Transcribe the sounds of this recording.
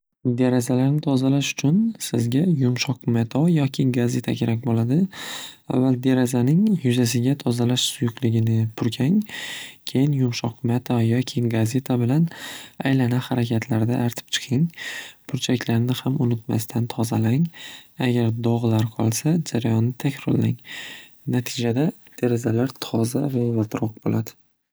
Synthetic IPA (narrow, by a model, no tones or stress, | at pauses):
d̪eɾazalaɾnɪt̪ʰɒzalaʃʊ̥t͡ʃʰʊnsɪzɡʲajʊmʃɒqmet̪ʰɒjɒkʲʰɪɡaze̞t̪ʰakʲʰe̞ɾak̚ʲbolad̪ɪa̰vːald̪e̞ɾazanɪŋjʊzas̬ɪɡʲat̪ʰɒzalaʃsʊjʊqlɪɡʲɪnɪpʰʊɾkʲʰaŋkʲʰe̞jɪnjʊmʃɒqmet̪ʰɒjɒkʲʰɪɡaze̞t̪ʰabɪlana̰jlanahaɾakʲʰat̪ʰlaɾd̪aʔːɾt̪ʰɪ̥p̚t͡ʃʰɨ̥qʰɨŋpʰʊɾt͡ʃʰakʲlaɾnɪhamʊnɪt̪ma̰st̪ʰant̪ʰɒzalaŋaɡʲaɾd̪ɒʁlaɾqʰɒlˠsad͡ʒaɾajɒnːɪt̪ʰakʲɾɒɾlaŋ | nat̪ʰɪd͡ʒad̪a | d̪̥e̞ɾazalaɾt̪ʰɒzavavat̪ɾɒq̚bo̰lʔad̪ɪ̥